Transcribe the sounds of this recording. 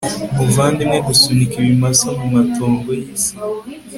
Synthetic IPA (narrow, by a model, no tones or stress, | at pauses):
muvandimɛɡusunikiwimasamumatɔːmɡesi̥